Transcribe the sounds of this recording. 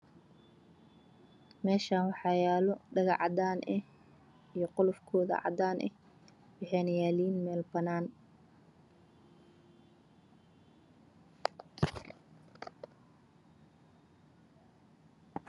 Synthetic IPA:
mɛːʃaːnwɑħɑjaːlɔɖɐɣɑʕɑd̪aːnʔɛh | ijɞqʊlʊfkʰɔːðɐ̰ʕɑ̰d̪aːnʔɛ̰h | wɑħɛːnɐjaːliːnmɛːlbɐnaːn

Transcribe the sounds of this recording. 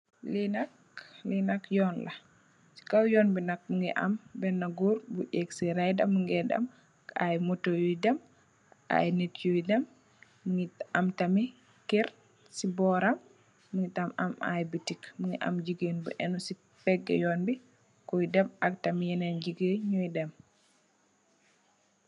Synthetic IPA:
linak | linakjɔnla | si̥kawjɔːnbinak̚muŋɡɛ̰ʔa̰mbɛnːaɡuɾbuʔeksiɾajdamːuŋɡɛda̰m | ajmɔtojujdam | a̰jnetjujdamː | uŋɡiamtami | kɛɾ | sibɔɾamː | uŋɡitamama̰jbitikmuŋɡɛʔa̰md͡ʒiɡenbṵʔɛnusi | pɛɡːɛ̰jɔnbi | kɔjdɛmak̚tamijɛnɛnd͡ʒiɡeɲujdɛm

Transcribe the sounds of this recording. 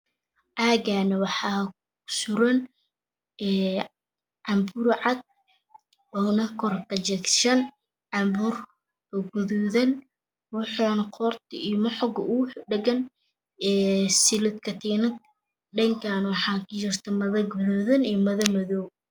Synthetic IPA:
ʔaːɡanɐwɑħɑː | sʊɾɐn | ɛː | ʕɑmbʊɾʕɑd̪̚ | ɔnɐkʰɔrkɐt͡ʃɛkʃɐn | ʕɑmbʊr | kɐɡʊðuðɐn | wʊħanɐqʰɔrt̪ʰɪijmʊħɔɡɐʔʊɖɐɡɐn | ɛːsɪlʊd̪kʰɐt̪ʰɛnɐt̪̚ | ɖɐŋkʰaːnwɑħɑːkʊt͡ʃɪrt̪ʰɐmɐðɐɡʊðuːðɐnijɔmɐðɐmɐðɔːw

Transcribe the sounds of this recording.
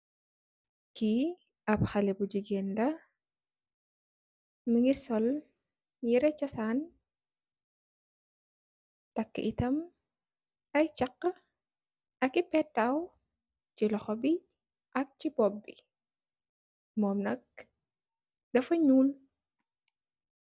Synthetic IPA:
ki | ɐbxɐlɛbud͡ʒiɡeːndɐ | nuŋisɔl | jiɾɛt͡ʃɔsaːn | tɐkːə̰ʔitɐm | ɐjt͡ʃɐqː | ɐkipɛtːɐw | t͡ʃilɔxɔbi | ʔɐk̚t͡ʃibɔbːḭ | mɔːmnɐk̚ | dɐfɐɲuːl

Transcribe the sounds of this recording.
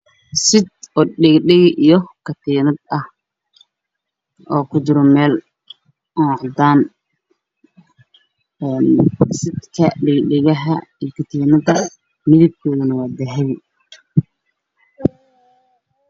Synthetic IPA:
sɪd̪ɔɗɪɡɖɪɣʔijɔkʰɐt̪ʰiːnɐd̪̚ɐh | ɔːkʰʊt͡ʃɪɾɔmɛːl | ɑʕd̪aːn | ɛːnsɪd̪kʰɐɖɪɡɖɪɣɐɦɐijkʰɐt̪ʰiːnɐd̪ɐ | mɪðɪb̚kʰɔːðɐnɐwɑːd̪ɛɦɛβɪ

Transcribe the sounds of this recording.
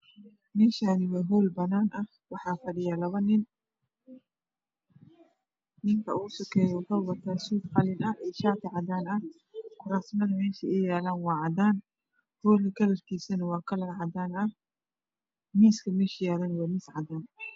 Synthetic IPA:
mɛːʃaːnɪwɑːɦɔːlbɐnaːnʔɐh | wɑħɑːfɐɽɪjɐlɐβɐnɪn | nɪŋkʰɐʔuːsʊkʰɛːjɔfɐwbɐt̪ʰaːsuːd̪qɑlɪnɐɛːʃaːt̪ʰɪʕɑd̪aːnɐh | kʊɾaːsmɐðɐmɛːʃɐʔɛːjaːlaːnwɑːʕɑd̪aːn | hɔːlɐkʰɐlɐrkʰiːsɐnɐwɑːkʰɐlɐlʕɑd̪aːnɐh | miːskʰɐmɛːʃjaːlaːnwɑːniːsʕɑd̪aːn

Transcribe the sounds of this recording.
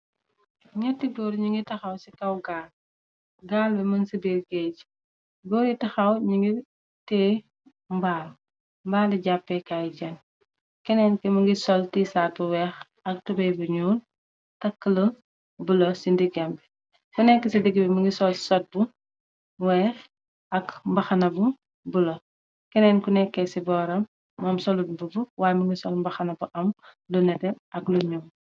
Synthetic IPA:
ɲɐtːibɔːɾɲiŋɡitɐxɐwsikɐwɡaːl | ɡaːlbɛmɐnsibiɾɡɛɟ | ɡɔɾjitɐxɐwɲiŋɡi | tɛː | mbaːl | mbaːlɛɟapːɛkajɟɐn | kɛnɛnkɛmɐŋɡisɔltisaːt̚buwɛx | ɐk̚tubɐjbuɲuːl | tɐkːələ | bulosindiɡɛmbɛ | kunɛkːəsindiɡibɛmuŋɡisɔlsɔt̚bu | wɛːx | ɐkmbɐxɐnɐbu | bulo | kɛnɛːnkunɛkːɛsibɔːɾɐmː | ɔmsɔludbubuwaːjmuŋɡisɔlmbɐxɐnɐbuʔɐm | lunɛtɛ | ɐkluɲum

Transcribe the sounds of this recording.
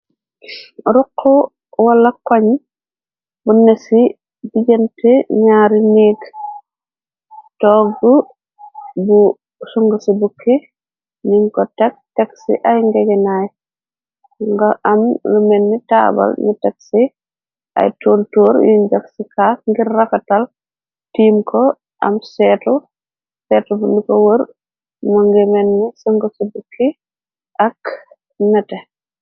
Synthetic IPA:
ɾuqʰːɔ | wɐlːɐkwaɲ | bunesi | biɟenteɲaːɾineːɡ | tɔːɡːu | bu | suŋɡusibukʰːi | niŋkɔtɛk̚tɛksḭʔajŋɡɛɡɛnaj | ŋɡamlumɛnːita̰ːba̰lɲutɛk̚si | ʔa̰jtoːntoːɾjiɲd͡ʒaksikaːkŋɡiɾːakatal | tiːmkɔ | ʔa̰msɛːtu | sɛːtubundikɔwəɾ | mɔŋɡɛmɛnːisuŋɡosibukʰːi | ʔak | nɛtɛ

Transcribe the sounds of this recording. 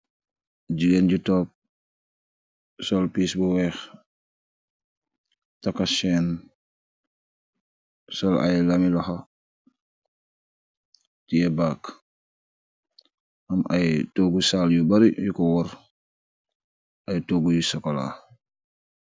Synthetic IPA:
ɟiɡenɟutɔːp̚ | sɔlpiːsbuwɛːx | takaʃɛːn | sɔla̰jlamilɐxa | tijebak | ʔɐmajtoːɡusaːljubaɾijukɔwɔɾ | ajtoɡujusɔkɔla̰

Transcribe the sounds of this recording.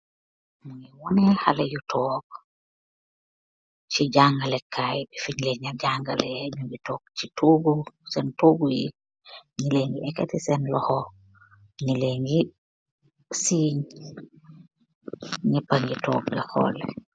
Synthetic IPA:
muŋiwɔnɛhalejutʰɔːk̚ | t͡ʃiɟaŋɡalɛkʰːajbifiɲleɲaɟaŋɡalɛɲubitɔːk̚t͡ʃitʰoːɡusɛntoːɡuji | ɲileŋɡiɛkɛtisɛnlɔhɔ | ɲileŋɡi | siːɲ | ɲipaɲɡitɔ̰ːklakʰɔ̰ːlɛ̰

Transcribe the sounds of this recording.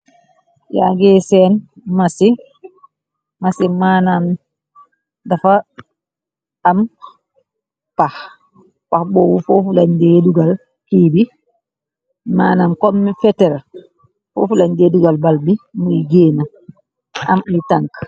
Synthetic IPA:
ja̰ɡɛːsɛnmasi | masimaːnam | dafa | am | pah | pahbɔːwufofulaɲdɛduɡal | hibi | maːnamkɔmːifɛtɛɾ | fo̰fulaɲdɛduɡalbalbimujɡeːna | ʔa̰mitaŋk

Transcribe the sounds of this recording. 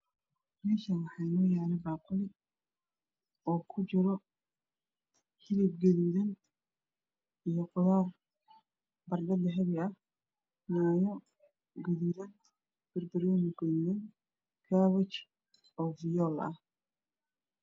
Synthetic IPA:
mɛːʃɐnwɑħɑjnɔːjaːlɛbaːqʊlɪ | ɔːkʰʊt͡ʃɪɾɔ | hɪlɪb̚ɡɐðuðɐn | ijɔqʊlaːr | bɐrdɐd̪ɐɦɐβɪɐh | naːjɔ | ɡɐðuːðɐn | b̥ɐrbɐɾɛnɪɡɐðuːðɐn | kʰaːwɐt͡ʃ | ɔːvɪjɔːlɐ̰h

